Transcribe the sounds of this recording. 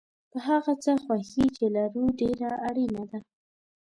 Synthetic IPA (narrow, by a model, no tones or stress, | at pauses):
pəɦaɣat͡səxwaxit͡ʃelaɾuɖeɾaaɽinad̪a